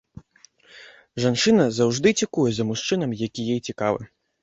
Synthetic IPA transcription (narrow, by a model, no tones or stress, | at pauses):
ʐant͡ʂɨnɐzawʐd̪ɨt͡sʲikujɛzɐmuʂt͡ʂɨnɐmjakʲijɛjt͡sʲikavɨ̰